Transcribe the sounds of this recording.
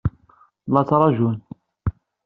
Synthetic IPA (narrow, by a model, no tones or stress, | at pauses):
lːɑt͡sːɾˤɑʒun